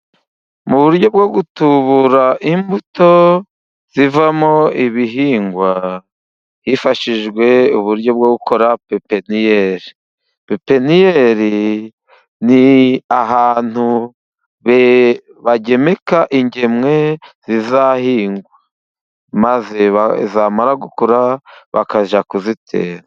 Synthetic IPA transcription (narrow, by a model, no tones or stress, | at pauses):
muβuɾɟo̞b̚ɡo̞ɡutuβuɾaʔimbuto̞ | z̥ivamo̞iβiɦiːŋɡwa | hifaʃiʒɡwe̞uβuɾɟo̞bɡo̞ɡukʰo̞ɾapepenijeɾi | pepe̞nijeɾi | niaɦaːn̥hu | βe | βaɟe̞me̞kaʔiɲɟe̞mŋe̞z̥izahiːŋɡwa | maze̞βazamaɾaɡukuɾaβa̰kaʒakuzitʰe̞̰ːɾa